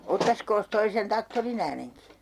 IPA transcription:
otːɑskoːs toi sen tɑktorin æːneŋki

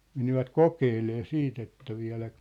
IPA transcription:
meniʋæt kokeːleː siːt etːæ ʋiæ̝læk

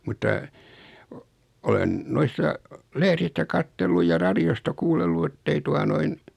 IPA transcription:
mutːɑ o olen noisːɑ lehɾistæ kɑtːelːuj jɑ rɑɾiostɑ kuːlːelːu etːei tuɑ noin

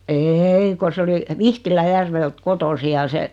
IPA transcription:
eːi ko s oli ʋihtilæjærʋelt kotosi jɑ se

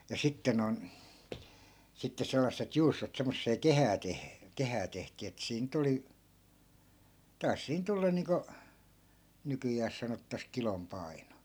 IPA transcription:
jɑ sitːe non sitːe selːɑsːet juːstot semːosːeː kehæː teh kehæː tehtiː etːæ̆ siːn nyt oli tɑi̯s siːn tulːɑn̆ niːŋko nykyjæːs sɑnotːɑs kilom pɑi̯no

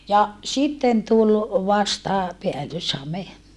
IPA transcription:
jɑ sitːen tulʔ ʋɑstɑ peælːyshɑme

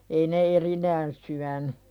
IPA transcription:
ei ne erinæːn syæny

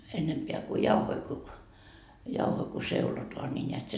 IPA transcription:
enːempeæ ku jɑuhoi ku jɑuhoi ku seulotoɑ nʲi nʲeæt se

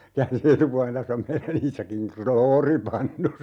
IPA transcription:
kæːnsi etupuɑlen tæsː om meilæn iːsɑkiŋ kroːripɑnːu

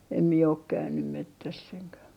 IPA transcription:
em mie ok kæynym metːæsː eŋkæ

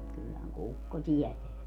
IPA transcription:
kylːæhæŋ kukːo tiɛteæ

